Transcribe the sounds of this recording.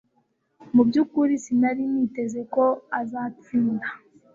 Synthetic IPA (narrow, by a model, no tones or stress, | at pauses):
mubɟukuɾisinaɾiniːte̞ze̞ko̞azaːt͡siːnda